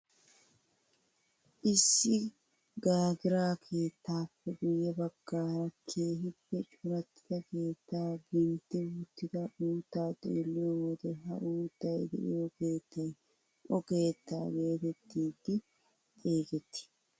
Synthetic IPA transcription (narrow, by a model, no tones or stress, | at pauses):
ʔɪsːɪ | ɡaːɡɪɾaːkʰe̞ːt̪ːaːpːɛɡʊjːɛbɐɡ̥ːaːɾɐkʰːeːɦɪbːɛt͡ʃʼʊɾɐt̪ːɪ̥t̪ɐke̞ːt̪ːaːɡɪnt̪ɪwʊt̪ːɪd̪ɐʔuːt̪ːaːt̪ʼeːlːɪɔwɔd̪ɛɦɐ̰ʔuːt̪ːɐɛd̪ɪ̰ʔɪɔkeːt̪ːɐ | ɔke̞ːt̪ːaːɡe̞ːt̪ɛt̪ːiːd̪ɪ | t̪ʼeːɡɛt̪ːɪ̥